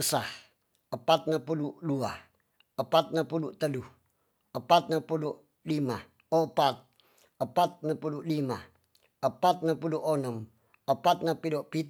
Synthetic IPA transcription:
əsah | əpat̪̚napuludua | əpat̪̚napuluʔt̪əluh | əpat̪̚napulu | lima | opat̪̚ | əpat̪̚napuluʔlima | əpat̪̚napuluʔonəm | əpat̪̚napiloʔpi

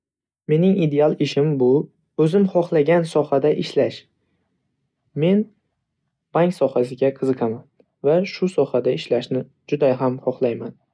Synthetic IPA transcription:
me̞nɪŋid̪e̞alˠɪʃɪmbʊ | ɵzɪmχɒχlˠaɡʲansɒhad̪aʔɪʃlaʃ | me̞n | b̥aŋkʲsɒhasɪɡʲaqʰɨzɨqʰɑman | vaʃʊsɒhad̪aɪʃlaʃnɪ | d͡ʒʊd̪aɦamχɒχlˠajman

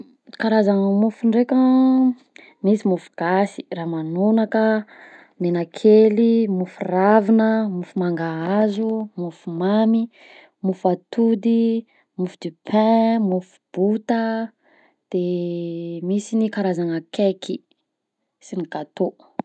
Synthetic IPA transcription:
kaɾazaŋəmufuɳɖ͡ʐekə | misimufuɡ̥asi̥raːmanonakə | menakʰelimufuravinəmufumaŋɡaazumufumami | mufat̪ud̪i | mufud̪̥ipʰɛ̃mufu̥b̥ut̪ə | d̪̥e | misinikaɾazaŋəkekʰi | siniɡat̪o

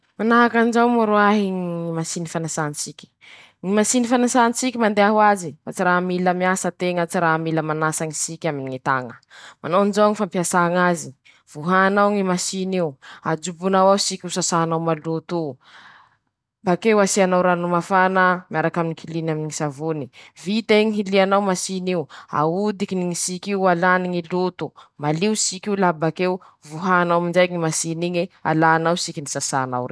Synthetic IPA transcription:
manaɦakanzawmaɾuaɦiŋimasinifanasanisikʲi̥ | ŋimasinifanasanisikʲimand̪eaɦuazifat͡siɾamiləmiasət̪eŋət͡siɾamiləmanasaŋisikʲaminiŋit̪a̰ŋəmanonzaŋifampiasaŋazi | v̥uɦanawŋimasinewa̰d͡ʒubunawausikʲusasaanawmalut̪u | bakewasianawɾanumafanamiaɾakaminikʰilinaminiŋisavunivit̪aiŋiɦilianawmasiniua̰ud̪ikiniŋisikiwalaniŋilut̪umaliusikiulabakew | vuɦanawmind͡ʒajŋimasiniɲia̰laːnawsikinisasana̰wre

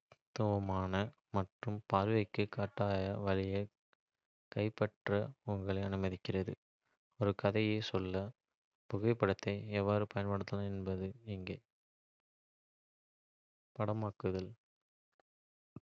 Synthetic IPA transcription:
t̪ʊʋɐmaːnɐ | mɐʈrɯmpaːɾʋɐɪkːɯkːaːʈːaːjɐʋɐɾɪjɐ | kɐɪpːɐʈrɐʊŋɡɐɭɐɪɐnɯmɐðɪkːɪrɐðɯ̰ | ɔɾɯkɐðɐjeːsɔlːɐ | pɔɣɐɪpːɐɽɐt̪ːɐɪɛʋːaːɾɯpɐjɐnpɐɽɐt̪ːɐlãɛnbɐðɯɪŋɡeː | pɐɽɐmaːkɯðɐl

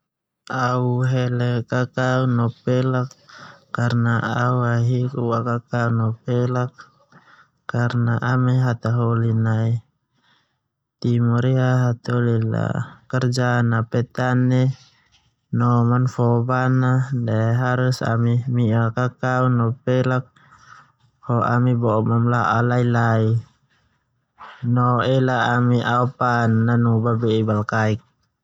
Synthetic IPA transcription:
auɦɛlɛkakaunɔpɛlakːarnaauaɦikuwakakaunɔpɛlakː | arnaʔamɛɦat̪aɦɔlinai | t̪imɔɾiaɦat̪ɔlila̰kɛrd͡ʒanapɛt̪anːɛ | nɔmanfɔbanadɛɦaɾusa̰mimialkakaunɔpɛlak̚ | hɔʔa̰mibɔmamlaʔalailai | nɔɛlaːmiʔapanːanubabɛibalkaik̚

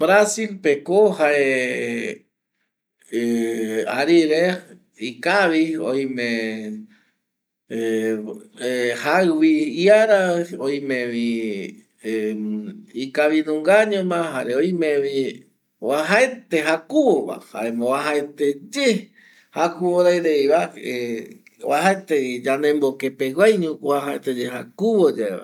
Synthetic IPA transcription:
bɾasilpekohae | aɾiɾe | ikaβio̰j̃mẽ | haβiiaɾaojmẽβi | ikaβinũŋɡaɲõmãɦaɾeojmẽβi | waɦaet̪eɦakuwoβa̰ha̰emoβaɦaet̪ed͡ʒe | hakuβoɾaeɾeiβae | waɦaet̪ed͡ʒanẽmbokepewajɲũwaɦaet̪ed͡ʒeɦakuβod͡ʒaeβa̰

